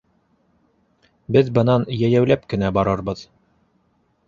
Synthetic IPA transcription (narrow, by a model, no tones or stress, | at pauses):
bɘðbɤ̆nɑnjæjæwlæp̚kɘ̆næbɑɾɤɾbɤð